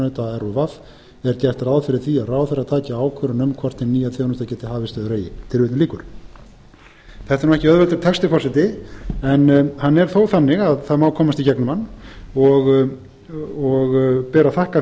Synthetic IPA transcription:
nʏt̪aɛɾɔvaf | ɛɾt̪ɛ̥t̪ɾaːwðfɪɾɪɾ̥θiaðraːwθɛɾaðt̪ʰaːcaaːwkʰœɾʏnœmkʰvɔr̥t̪ɪnnːiːjat̪ʰjoːwnʏːt̪acɛːt̪ɪɦaːvɪst̪œːðʏɾeːjɪ̰t̪ʰɪlvɪːt̪ɪliːkʏɾ̥ | θɛht̪aɾnuwɛhcɪœðvɛlt̪ʏɾt̪ʰɛkst̪ɪfɔrsɪt̪ɪɛnhanːɛɾ̥θowθanːɪɣaðθaðmaːwkʰɔːmast̪icɛknʏmanːɔɣ | ɔɣpɛːɾaθahka

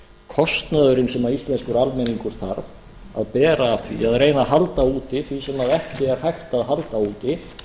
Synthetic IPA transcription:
kʰɔst̪naðʏɾɪnsɛmaɾist̪lɛnskʏɾalmɛniŋkʏɾ̥θaɾv | a̰ðpɛːɾaːvθvḭaðɾeːjnaɦalt̪auːt̪ɪθvisɛmaðɛhcɪɛɾ̥hajht̪aðɦalt̪auːt̪ɪ

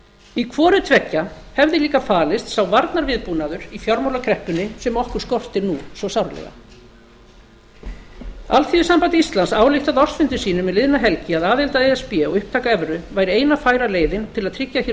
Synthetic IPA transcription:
ikʰvɔːɾʏt̪ʰvɛcːahɛvðɪliːkafaːlɪst̪sawvaɾt̪naɾvɪðpunaðʏɾ̥ifjɔɾmowlakʰɾɛhpʏnːɪsɛmɔhkʏɾ̥skɔr̥t̪ɪɾnusvɔsawɾlɛ̰ɣa̰ | a̰lθiʏsampant̪ɪist̪lansaːwlɪht̪aðɔr̥t̪fʏnt̪ɪ̥siːnʏmɛðlɪðnaɦɛlcɪaðaːðɛlt̪aejɛspɛɔɣʏhp̚t̪ʰaːkaɛvɾʏvajɾɪejnafaːjɾaleːjðɪnt̪ʰɪlaðt̪ʰɾɪcːaçɛ

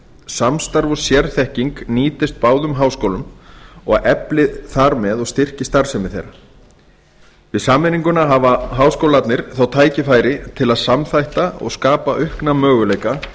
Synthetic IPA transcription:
samst̪aɾvɔsjɛɾθɛhciŋkniːt̪ɪst̪̚paːwðʏmɦaːwskowlʏmɔ̰ɣaɛplɪθaɾmɛðɔɣst̪ɪr̥cɪst̪aɾ̥sɛmɪθḛjɾa | vɪðsaːmːɪniŋkʏnaɦavaɦaːwskowlat̪nɪɾ̥θawt̪ʰaːjcɪfaːjɾɪt̪ʰɪlaðsamθajht̪aɔ̰ɣskaːpaʔʏhknamœːɣʏlejka

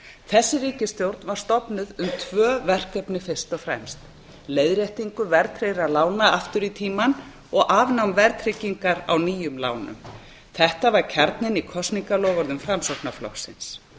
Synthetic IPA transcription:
θɛsːɪriːcɪst̪jowɾt̪nvaɾ̥st̪ɔpnʏðʏmt̪ʰvœːvɛr̥kɛpnɪfɪr̥st̪ɔɣfɾɛ̰mst̪ | leːjðɾjejht̪iŋkʏɾvɛɾt̪ʰɾejɾalaːwnaaft̪ʏɾit̪ʰiːman | ɔɣʔaːvnawmvɛɾt̪ʰɾɪciŋkaɾa̰wniːjʏmla̰ːwnʏ̰m | θɛht̪avaɾcʰaɾt̪nɪnikʰɔst̪niŋkalɔːɣɔɾðʏmfɾamsowpnaflɔ̰xsɪ̰ns

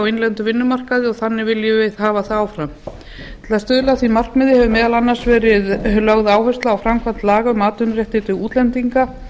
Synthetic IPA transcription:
wejnlɛnt̪ʏvɪnːʏmar̥kaðɪɔɣθanːɪvɪljʏveðhaːvaθaaːwfɾam | t̪ʰɪlast̪œːðlaθvimar̥kmɪðɪhɛvʏmɛːðalanːḁsvɛːɾɪðlœɣðaːwɦœst̪laːwfɾamkʰvan̥t̪laːɣaʏmaːt̪ʏnrjɛht̪ɪt̪ʏɣuːt̪lɛnt̪iŋka

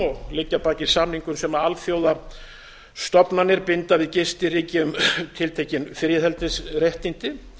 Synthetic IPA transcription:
ɔɣlɪcːapaːcɪ̥samniŋkʏmsɛmaalfjoːwða | st̪ɔpnanɪɾpɪnt̪avɪðcɪst̪ɪriːcɪʏmt̪ʰɪlt̪ʰehcɪnfɪɾjɪðhɛlt̪ɪsrɛht̪int̪ɪ

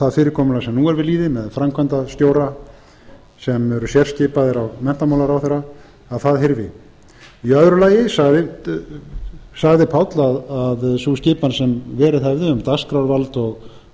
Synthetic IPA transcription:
θaðfɪːɾɪɾkʰɔːmʏnasɛmnuːɛɾvɪðliːðɪmɛðfɾamkʰvant̪ast̪joːwɾa | sɛmɛɾʏsjɛr̥scɪːpaðɪɾawmɛn̥t̪amawlaɾawθɛɾːa | aðθaðɦɪɾvɪ̰ | iœðɾʏlaːjɪsaɣðɪ | saɣðɪpʰawt̪laðaðsuscɪːpansɛmvɛːɾɪðɛvðɪʏmt̪askɾawɾvalt̪ɔɣ

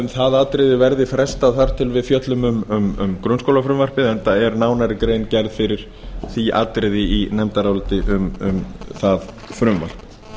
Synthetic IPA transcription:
nθaðat̪ɾɪðɪvɛɾðɪfɾɛst̪aðθaɾ̥t̪ʰɪlvɪðfjœt̪lʏmʏmʏmʏ̰mkɾʏnskowlafɾʏmvaɾ̥pɪðɛnt̪aɛɾnaːwnaɾɪkɾeːjncɛɾðfɪɾɪɾ̥ | θia̰ːt̪ɾɪðɪinɛmt̪aɾawlt̪ɪʔʏmʏmθað | fɾʏmva̰r̥p

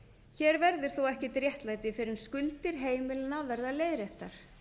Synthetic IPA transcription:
çɛːɾvɛɾðɪɾ̥θuwɛhcɪt̪ɾjɛht̪lajt̪ɪfɪɾɪnskʏlt̪ɪɾ̥ɦeːjmɪlnavɛɾðaleːjɾɛht̪ːaɾ̥

